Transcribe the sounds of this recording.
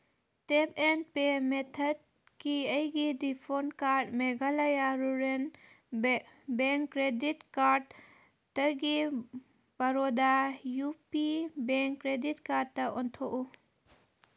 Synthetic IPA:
tepʰen̚pemetʰɐd̚ | kiəjɡidipʰonkaɾdmeɡalajaɾuɾen | beŋkːɾeditkaɾd | tːɐɡi | b̥aɾɔdajupibeŋkːɾeditkaɾdtːɐɔntʰoʔu

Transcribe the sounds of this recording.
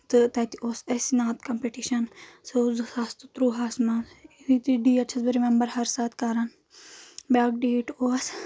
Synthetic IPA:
t̪ɨt̪ɐt̪ioːsesinaːt̪kɐmpeʈiːʃɐnseuzɨsast̪ɨt̪ɾuːɦaːsmɐnit̪iɖiːɐt͡ʃʰɐsbɐɾimẽmbɐɾhɐɾsaːt̪kaːɾɐn | baːk̚ɖeːʈoːɐs

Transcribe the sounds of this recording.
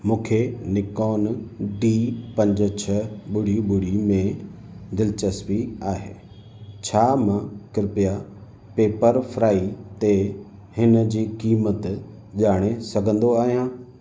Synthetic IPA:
mũːkʰenɪkɔːnɖiːpɐ̃ɲd͡ʑt͡ɕʰəɓʊɽ̤iɓʊɽ̤imẽ | d̪ɪlɪt͡ɕəspiaːɦḛː | t͡ɕʰaːmãkɾɪpija | peːpəɾfɾaːit̪e | hɪnə̆d͡ʑiːkiːmət̪ | ʄaːɽ̃esɐɡʱə̃nd̪oaːɦijãː

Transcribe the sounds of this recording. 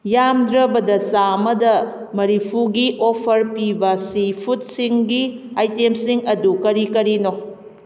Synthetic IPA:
jamdɾɐbɐdɐsamɐdɐ | mɐɾipʰuɡiʔopʰɐɾpibɐsipʰut̚siŋɡiajtemsiŋɐdukɐɾikɐɾino

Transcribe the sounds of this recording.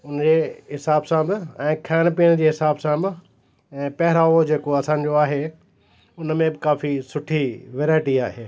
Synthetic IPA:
ʊnd͡ʑeːɦɪsaːbsãbɪɛ̃ːkʰaːɽ̃piːəɽ̃d͡ʑeːɦɪsaːbsãbɪ | ɛ̃ːpɐɦɪɾaːʋod͡ʑeːkoɐsãːɲ̆d͡ʑoaːɦe | ʊnmẽbɪkaːfisʊʈʰiʋeːɾaːɪʈiaːɦeː

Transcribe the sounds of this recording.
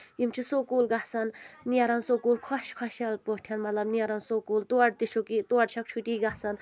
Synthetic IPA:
imt͡ʃʰisoːkuːlɡasɐnniɐɾɐnsoːkuːlkʰɔʃkʰɔʃɐlpoʈʰjɐnmɐt̪lɐbniɐɾɐnsoːkuːlt̪uɐɖt̪iʃokit̪uɐʈʃʰɐk̚t͡ʃʰuʈiːɡasɐn

